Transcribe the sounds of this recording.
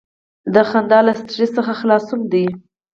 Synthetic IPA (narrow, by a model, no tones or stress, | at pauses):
d̪əxand̪ɑlast̪ʐisəxaxlɑsʊmd̪i